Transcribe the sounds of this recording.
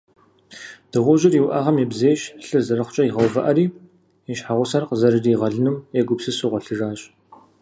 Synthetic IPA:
d̥ɨʁʷɔʒɪriwʔaːʁɐmjebzeːɕɬɨrzɐrɐχʷt͡ʃʼɐiʁɐwvɐ̰ʔɐɾiː | ɛɕħaʁʷʊsɐrqzɐɾɨriːʁɐɮɨnɨmɛɡʷʊpsɨsuʁʷɔɬɨraːɕʼ

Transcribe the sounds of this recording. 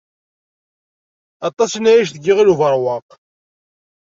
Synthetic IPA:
ɑt̪ˤɑsnæjiʃ̬θəɡːiʁiluvəɾˤwɑq

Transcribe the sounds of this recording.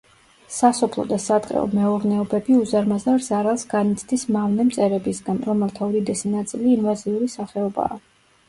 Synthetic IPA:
sasɔpʰlˠɔ̰d̪asad̪qʼɛ̰ɔ̰mɛɔɾnɛɔbɛbiuzaɾmazaɾz̥aɾalˠsɡ̥anit̪sʰd̪ismavnɛmt̪sʼɛɾɛbisɡanɾɔmɛlˠt̪ʰaɔɾid̪ɛsinat̪sʼiliːnvaziuɾisaχɛɔba̰ː

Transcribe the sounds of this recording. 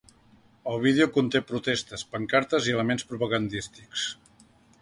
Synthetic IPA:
əlˠβ̞iðeukunt̪epɾut̪est̪əspəŋkaɾt̪əziələmenspɾupəɣənd̪ist̪iks

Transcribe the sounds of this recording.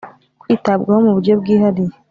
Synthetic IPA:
kwiːtabɡaho̞muβuɾɟo̞b̚ɡiːhaɾi

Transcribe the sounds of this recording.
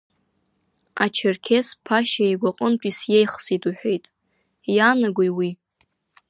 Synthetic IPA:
at͡ʃʰɪrkʲʰespʰaʃaejɡʷaqʼənpʰʼisjejχsitʼuħʷᶣejtʼ | janaɡʷojwi

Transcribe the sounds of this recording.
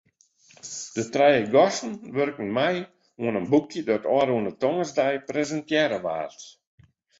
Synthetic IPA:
d̥ətrɛjəɡɔsn̩ʋørkn̩mɛj | uənənbukjədɔtɔːɾuənətɔŋəzdɛjprezəntjɛɾəʋa̰ːrt

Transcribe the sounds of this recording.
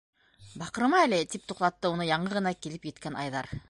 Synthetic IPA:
bɑqɤ̆ɾɤ̆mɑælet̪ip̚t̪uq̚t̪ɑt̪ːɤunɤjɑɴɤʁɤ̆nɑkilɘpjĕt̪kænɑ̰jðɑɾ

